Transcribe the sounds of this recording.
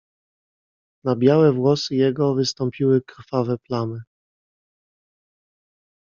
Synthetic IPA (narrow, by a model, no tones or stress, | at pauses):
nabʲjawɛvwɔsɘjɛɡɔvɘst̪ɔmpʲiwɘkɾfavɛplanɘ